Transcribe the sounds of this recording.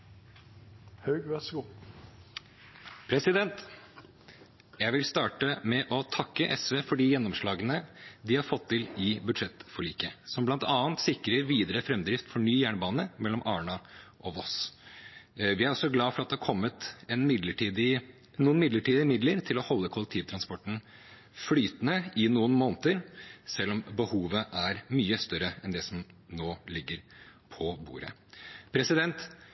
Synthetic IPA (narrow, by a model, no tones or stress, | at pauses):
hœʏʋɛsɡu | pʰɾɛsɪd̪ɛnt̪ | jæɪʋɪlst̪ɑːʈəmɛʔɔt̪ʰɑkːəʔɛsʋeːfɔɖijɛnːɔmʂɭɑːɡənəd̪ɪhɑɾfɔt̪ʰːɪlɪbʉd̪ʂɛt̪ːfɔɭiːkəsɔmblɑnt̪ʰɑːənt̪sɪkɾəɾʋiːd̪əɾəfɾɛmd̪ɾɪft̪fɔɳyːjæːɳəbɑːnəmɛlːɔmʔɑːɳɑʔɔʋɔs | ʋɪæɾɔsɔɡlɑːfɔɾɑt̪̚d̪ɛhɑɾkʰɔmːət̪ɛnmɪd̪ləʈiːd̪ɪ | nuːənmɪd̪ləʈiːd̪ɪmɪd̪ləɾt̪ʰɪlɔhɔlːəkʰʊləkt̪ʰiːʋət̪ʰɾɑnspɔʈːn̩ | flyːt̪ənəɪnuːənmoːnt̪əɾsɛlːɔmbəhuːʋəʔæɾmyːəst̪œɾəɛnd̪ɛsɔmnoːlɪɡːəɾpʰɔbṵːɾə̰ | pʰɾɛsɪd̪ɛnt̪